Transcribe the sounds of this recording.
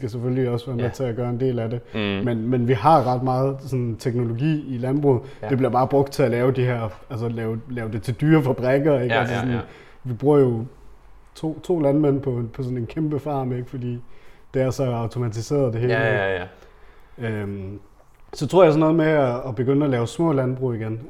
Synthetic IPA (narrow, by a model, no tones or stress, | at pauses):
sɡ̥æsefølliɒ̽sʋæɐmet͡sʰe̝læɡ̥ɶːɐe̝nde̝̰ːlæde̝menmenʋiɦɑ̈ʁɑ̈d̥mɑ̈ːð̞̩ˠsɔ̽nt͡sʰeɡ̥no̝lo̝ɡḭːilænb̥ʁṵð̩ˠd̥e̝b̥liɐb̥ɑ̈ːb̥ʁɔ̽ɡ̥d̥̚t͡sʰe̝ælɛːʊd̥iɦeɐ̰ælsəlɛːʊlɛːʊd̥e̝t͡sʰe̝ld̥yːɐfæb̥ʁɛɡ̥ɐeɡælsəsɔ̽nn | ʋib̥ʁuːɐjo̝ | t͡sʰo̝̰ːt͡sʰo̝̰ːlænmen̰pʰɒ̽pʰɒ̽sɔ̽ne̝nkʰemb̥əfɑ̰̈ːmeɡ̥fɒ̽d̥ḭːd̥e̝æɐsɒ̽ɑ̈ʊt͡sʰo̝mæt͡sʰise̝̰ːɐð̞̩ˠd̥e̝ɦe̝ːleɡ | øm | sɒt͡sʰʁoɐjsɒ̽nɔ̽ːð̩ˠmeæːb̥e̝ɡ̥øn̰ælɛːʊsmɔ̰̽ːlænb̥ʁṵːiɡ̥en